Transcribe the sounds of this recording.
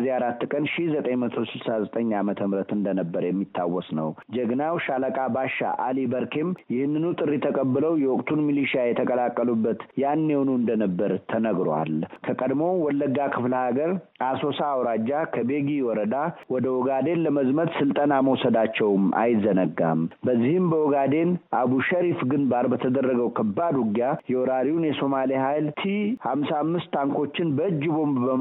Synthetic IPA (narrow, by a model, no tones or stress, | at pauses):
ziaɾat̪ːkʼənʃihzət̪ʼəɲmət̪ʰo̞sɨlsazət̪ʼəɲːamət̪ʰəmɾət̪ɨnd̪ənəbːəɾjɛmːit̪ʰːawːɔsnə̰wd͡ʒəɡnawʃaləkʼabaʃa̰ʔalibəɾkʰe̞mjɪhɨnːɨnut̪ʼɨrːit̪ʰəkʼəbːɨləwjɛwɔkʼt̪ʰunmiliʃajɛt̪ʰəkʼəlakʼːəlubːət̪janːewonuɨnd̪ənəbːəɾt̪ʰənəɡɾa̰lkʰəkʼəd̪mo̞wɔlːəɡakʰɨfləhaɡəɾ | aso̞saːwɾad͡ʒːakʰəbe̞ɡiwɔɾəd̪awɔd̪əwɔɡad̪e̞nləməzmət̪sɨlt̪ʼənaməwɔsəd̪at͡ʃːɛwmʔa̰jzənəɡːa̰mbəzːihɪmbəwɔɡad̪e̞nʔabuʃəɾifɡɨnbaɾbət̪ʰəd̪ərːəɡəwkʰəbːad̪ʊɡjajɛwɔɾaɾiwunjɛso̞malihajlt̪ʰihamsamːɨst̪ːaŋko̞t͡ʃːɪnbəɨd͡ʒːbo̞mbbə